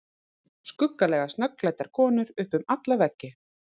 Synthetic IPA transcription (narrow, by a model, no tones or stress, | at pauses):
skʏkːalɛɣast̪nœklajt̪aɾ̥kʰɔːnʏɾʏhpʏmat̪lavɛcːɪ